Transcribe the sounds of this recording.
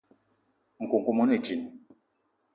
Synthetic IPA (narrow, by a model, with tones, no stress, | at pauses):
ŋ̩˨ku˨ŋ˨ku˨mɔ˨˦ne˦˨t͡ʃi˨n˨